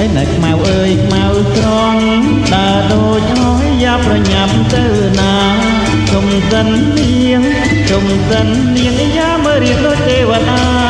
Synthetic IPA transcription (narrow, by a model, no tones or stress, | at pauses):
əjnɨkʰmawʔəːjkʰmawkrɔŋ | ɗaəɗoːc̚hɔhjaːprɑɲam̚t̪əw | naː | t͡ɕomsənːi | əŋ | t͡ɕomsənːiəŋʔijaːməːɾiənɗoːc̚t̪eːʋaɗaː